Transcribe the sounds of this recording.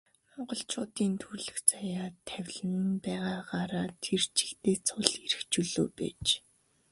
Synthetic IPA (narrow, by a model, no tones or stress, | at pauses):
mɔɴɢɞ̆ɬt͡ɕʰʊːt̪iːnt̪ʰurɮɘ̆xt͡sajaːt̪ʰæwʲɮɘ̆npæːʁaːɢaːɾaːt̪ʰer̥t͡ɕʰi̥kt̪eːt͡sʰʊɮiɾɘ̆xt͡ɕuɮo̰ːpæ̰ːt͡ɕ